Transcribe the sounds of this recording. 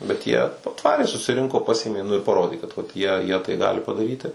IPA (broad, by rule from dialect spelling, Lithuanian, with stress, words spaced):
bʲɛt ˈjiɛ ɐˈtʋɑːrʲeː sʊsʲɪˈrʲɪŋkoː ˈpɑːsʲeːmʲeː nʊ ɪr pɐˈroːdʲeː kɐt ʋɐt ˈjiɛ jiɛ tɐɪ ˈɡɑːlʲɪ pɐdɐˈrʲiːtʲɪ